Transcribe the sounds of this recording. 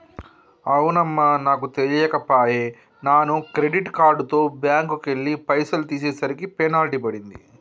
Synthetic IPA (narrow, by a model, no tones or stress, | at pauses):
ɐwnɐmːɐnaːk̬ut̪elijɐkɐpaːjeː | naːnukɾeɖiʈkaːɾɖut̪o̞ːbjaːŋkukeɭːipɐjsɐlut̪iːs̬ɛːsɐɾikipenaːliʈ̬ipɐɽind̪ḭ